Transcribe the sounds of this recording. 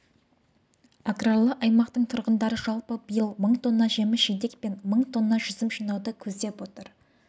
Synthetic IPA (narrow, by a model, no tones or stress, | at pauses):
akralˠəʔɑjmɑqt̪əɴt̪ʰʊɾʁənd̪ɑɾəʒɑlˠpəbəjəlˠməɴt̪ʰo̞nːɑʒe̞mɪʒejd̪e̞k̚pe̞nməɴt̪ʰo̞nːɑʒʏzɪmʒinɑwd̪əkʲʰɵzd̪e̞pwo̞t̪əɾ